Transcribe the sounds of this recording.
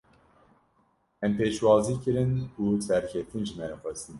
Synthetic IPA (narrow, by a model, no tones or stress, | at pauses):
ɛmpeːʃwɑːziːkɨɾɨnuːsɛɾkʲʰɛt̪inʒɨmɛɾxʷɛst̪in